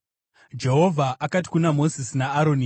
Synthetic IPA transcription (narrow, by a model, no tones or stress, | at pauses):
d͡ʒe̞ɦo̞vʱaʔakat̬i̥kunamo̞zisinaːɾo̞ni